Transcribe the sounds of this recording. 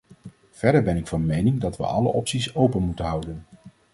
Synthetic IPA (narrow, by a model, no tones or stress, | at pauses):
v̥ɛɹdəɹbɛnɪkfɑnmejnɪŋdɑtʋə̰ʔɑlə̰ʔɔpsisowpənmutənɦɑwdən